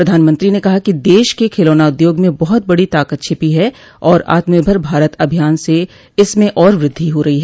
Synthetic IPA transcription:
pɾɐd̪ʱaːnmə̃nt̪ɾinekɐɦakid̪eːʃkekʰeːloːnaʊd̪joːɡmẽbɐɦʊt̪̚bɐɽit̪aːkət̪̚t͡ʃʰɪpiɦɛ | ɔːɾa̰ːt̪məɾbʱəɾbʱaːɾət̪ɐbʱijaːnse | ɪsmẽʔɔːɾʋɾɪd̪ʱːiɦoɾɐɦiɦɛː

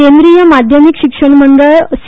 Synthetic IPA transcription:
end̪ɾijəmad̪ʱjəmikɕikʂəɳməɳɖəɭs

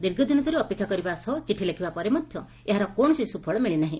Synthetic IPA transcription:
d̪iɾɡʱɔd̪inɔt̪iɾeɔpekʰːjakɔɾibasɔt͡ʃiʈʰilekʰibapɔɾemɔd̪ʱjɔ | eɦaɾɔkɔ̃ɔsisupʰɔɭɔmeɭinaɦĩ

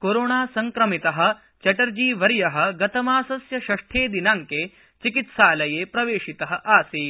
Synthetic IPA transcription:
koɾoːɳaːsɐŋkɾɐmit̪ɐɦɐ̆ | t͡ʃɐʈɐɾd͡ʒiːʋɐɾjɐɦɐ̆ɡɐt̪ɐmaːsɐsjɐʃɐʂʈʰeːd̪inaːŋkeː | t͡ʃikit̪saːlɐjeːpɾɐʋeːʃit̪ɐɦɐ̆ʔaːsi

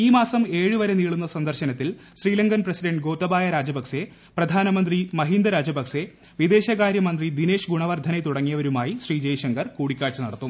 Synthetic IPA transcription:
iːmaːsɐme̞ːɻɨʋɐɾe̞niːɭunːɐsɐnd̪ɐrɕɐnɐt̪ːil | ɕriːlɐŋɡɐnprɐsiɖɐɳɖɡo̞ːt̪ːɐbaːjɐɾaːd͡ʑɐbɐkse̞ | prɐd̪ʱaːnɐmɐnd̪rimɐɦind̪ɐɾaːd͡ʑɐbɐkse̞ | ʋid̪e̞ːɕɐɣaːɾjɐmɐnd̪rid̪ine̞ːʂɡuɳɐʋɐrd̪ʱɐnet̪uɽɐŋːijɐʋɐɾumaːjiɕriːd͡ʑeːjɕɐŋɡɐrkuːɽikʲːaːɻt͡ɕɐnɐ̰ɽɐt̪ːum

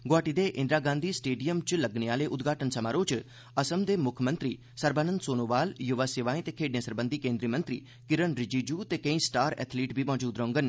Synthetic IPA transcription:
ɡoaːʈiːd̪eːʔɪ̃nd̪ɾaːɡãːnd̪ʱiːsʈeːɖijəmt͡ʃləɡneaːleːʔʊd̪ɡʱaːʈənsəmaːɾõːt͡ʃ | əsəmd̪eːmʊkʰmə̃nt̪ɾiː | səɾbaːnə̃nd̪soːnoːʋaːljʊʋaːsɪʋaːĩːt̪eːkʰeːɖnẽːsəɾbə̃nd̪ʱikẽːnd̪ɾiːmə̃nt̪ɾḭː | kɪɾənɾɪd͡ʒiːd͡ʒuːt̪eːkə̃ĩːsʈaːɾɛ̰ːt̪ʰliːʈbʱiːmɔːd͡ʒuːd̪ɾõːŋɡən

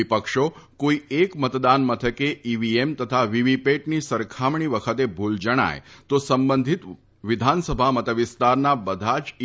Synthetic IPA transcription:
ipəkʃokoiekmət̪d̪anmət̪ʰəkeʔiʋiemt̪ət̪ʰaʋiʋipeʈnisəɾkʰamɳiʋəkʰət̪ebʱuld͡ʒəɽ̃a̰jt̪osəmbə̃nd̪ʱit̪ | ʋɪd̪ʱansəbʱamət̪əʋɪst̪aɾnabəd̪ʱat͡ʃ

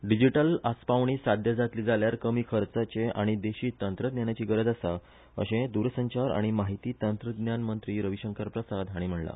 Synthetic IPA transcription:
ɖid͡ʑiʈəlaspaʋɳ̃iːsad̪ʱjəd͡zat̪liːd͡zaljaɾkəmiːkʰəɾt͡sat͡ɕeʔaɽ̃id̪eɕiːt̪ənt̪ɾəd̪njanjat͡ɕiːɡəɾəd͡z̪asa | ə̰ɕẽd̪uɾsəɲt͡ɕaɾa̰ɽ̃imaɦit̪iːt̪ənt̪ɾəd̪njanmənt̪ɾiːɾəʋiɕəŋkəɾpɾəsad̪aɽ̃im̤əɳla̰

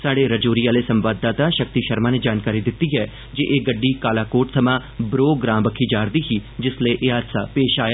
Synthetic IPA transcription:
saːɽeɾəd͡ʒoːɾiːaːlesə̃mʋaːd̪ːaːt̪aːʃək̚t̪iːʃəɾmãːned͡ʒaːnkaːɾid̪ɪt̪ːiɦɛː | d͡ʒeʔeːɡəɖːiːkaːlaːkoːʈsəmãːbɾoːɡɾãːbəkʰiːd͡ʒaːɾd̪iːɦiːd͡ʒɪsleʔeːaːd̪saːpeːʃaːja

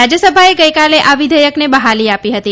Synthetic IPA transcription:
ad͡ʒjəsəbʱaeɡəjkaleʔaʋid̪ʱəjəknebəɦaliapiɦət̪i

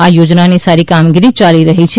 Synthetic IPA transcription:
ajod͡ʒnanisaɾikamɡiɾit͡ʃaliɾəɦit͡ʃʰe

